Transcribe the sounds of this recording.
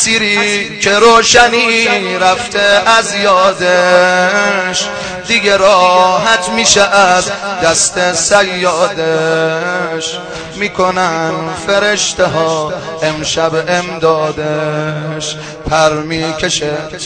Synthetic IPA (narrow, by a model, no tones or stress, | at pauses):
siːɾiːkʰe̞ɾoːʃæniːɾæft̪ʰeʔæzjɒːd̪e | ʃ | d̪iɡeɾɒːɦæt̪ʰmiːʃææd̪d̪æst̪esæjːɒːd̪e | ʃ | miːkʰonænfe̞ɾeʃt̪eɦɒːemʃæbemd̪ɒːd̪eʃ | pʰæɾmiːkʰeʃe